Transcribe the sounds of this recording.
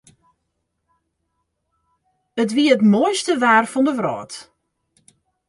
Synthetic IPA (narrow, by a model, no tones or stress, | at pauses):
ətʋiəətmojstəʋaːrfɔndəʋrɔ̰ːt